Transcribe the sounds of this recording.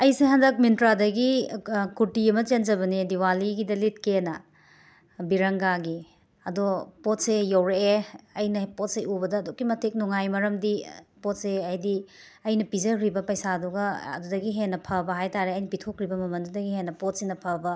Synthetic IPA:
ɐjseɦandɐk̚mintɾadɐɡikuɾtiɐmɐt͡ʃend͡ʒɐβɐnidiwaliɡidɐlit̚kenɐ | biɾɐŋɡaɡi | ɐdopot̚sejɐwɾeːɐjnɐpot̚seʔubɐdɐːdokːimɐtʰek̚nuŋajmɐɾɐmdipot̚seɐjdi | ɐjnɐpizɐɾibɐpɐjsaduɡɐɐ̰dudɐɡiɦenːɐpʰɐbɐɦajtaɾeɐjnɐpitʰokɾibɐmɐmɐndudɐɡiɦenːɐpot̚senɐpʰɐbɐ

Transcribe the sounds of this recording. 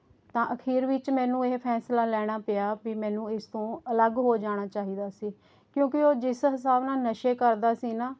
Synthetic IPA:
t̪ãːʔəkʰiːɾʋɪt͡ʃmɛ̃ːnũːeːpʰɛːslaːlɛːɽ̃aːpejaːbiːmɛ̃ːnũːɪst̪õːələɡɦoːd͡ʒaːɽ̃aːt͡ʃaːɦiːd̪aːsiː | kjõːkɪoːd͡ʒɪsɦɪs̬aːbnaːnəʃeːkəɾd̪aːsiːnaː

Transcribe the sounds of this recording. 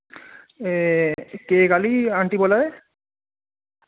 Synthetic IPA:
ekekaliaɳʈibɔlae

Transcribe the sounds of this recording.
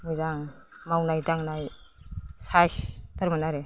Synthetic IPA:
muzaŋ | mawnajdaŋnaj | sastaɾmanaɾe

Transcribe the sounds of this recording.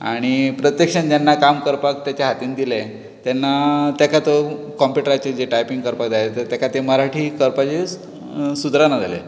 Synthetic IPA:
a̰ɽ̃ipɾət̪jəkʂəɳd͡ʑanːakamkəɾpak̚t̪jat͡ɕaɦat̪iːnid̪ile | t̪janːat̪jakat̪o | kɔmpjuʈəɾat͡ɕed͡ʑeʈajpiŋɡkəɾpakd͡zalet̪əɾt̪jakat̪eməɾaʈʰiːkəɾpat͡ɕe | sud̪ɾanad͡zʱale

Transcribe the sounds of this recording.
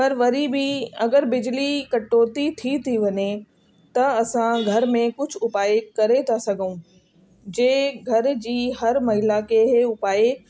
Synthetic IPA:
pɐɾʋɐɾibiɐɡəɾbɪd͡ʑlikɐʈoːt̪it̪ʰit̪ʰiʋɐɲe | t̪ɐɐsãɡʱɐɾmẽkʊd͡ʑʱʊʊpaːekɐɾet̪ʰasɐɡʱũ | d͡ʑeːɡʱɐɾd͡ʑiːɦɐɾmɐɦɪlakeːɦeʊpaːe

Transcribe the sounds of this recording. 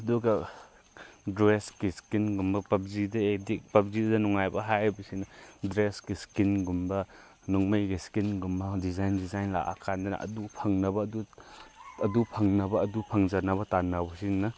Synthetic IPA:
ɐduɡɐ | deskiskinɡumbɐpɐp̚zidɐedik̚pɐp̚ziddɐnɔŋajbɐɦajbisinɐdɾeskiskinɡumbɐ | nɔŋmɐjɡiskinɡumbɐdizajndizajnla̰ʔa̰kʰandanɐ̰ʔɐ̰dupʰɐŋnɐbɐːdu | ɐdupʰɐŋnɐbɐːdupʰɐŋzɐnɐβɐtanɐbɐsinɐ

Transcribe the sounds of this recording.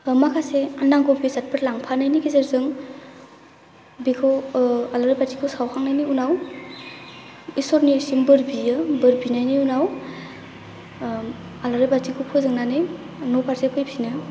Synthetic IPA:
makʰaseanaŋɡɔpɡizat̚pʰɯɾlaŋpʰanajnikizeɾzɯŋ | bikʰɯwalaɾajbatikʰusawkʰaŋnajniunaw | isɔɾnisimbɯɾbiɯbɯɾbinajniunaw | alaɾajbatikʰupʰɯzɯŋnanɯ | nopaɾzekʰɯjpʰinɯ

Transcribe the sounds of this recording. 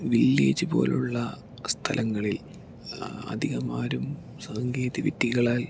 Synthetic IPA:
ʋilːḛːt͡ɕːubo̞̰ːluɭːɐ | st̪ʰɐlʔɐŋːɐɭil | ɐ̰d̪ʱiɣɐmaːɾum | saŋɡeːd̪iʋit̪ːiɣɐɭaːl

